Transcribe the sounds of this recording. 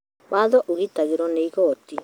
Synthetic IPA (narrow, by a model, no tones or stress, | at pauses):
waðɔʔuɣitaɣiɾɔneiɣɔːti